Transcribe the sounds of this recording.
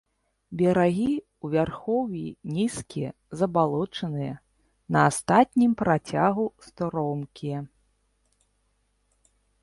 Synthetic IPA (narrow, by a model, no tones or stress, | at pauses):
bʲɛɾaɣʲi | uvʲarxɔwʲjinʲiskʲijɛ | zɐbalˠɔt͡ʂɐnɨjɐ | nɐːst̪at̪ʲnʲimpɾat͡sʲaɣust̪ɔɾɔmkʲijɛ